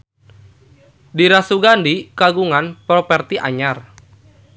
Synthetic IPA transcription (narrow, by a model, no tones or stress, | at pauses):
diɾasuɡandikaɡuŋanpɾɔpɛrt̪iʔaɲar